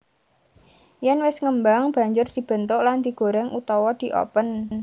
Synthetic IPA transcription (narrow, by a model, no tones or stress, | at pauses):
jɛnwɪsŋəmbaŋb̥a̤ɲd͡ʒʊrd̪̥i̤b̥ə̤nt̪ʊʔland̪̥i̤ɡ̥o̤ɾɛŋʔut̪ɔwɔd̪̥i̤ʔɔ̰pən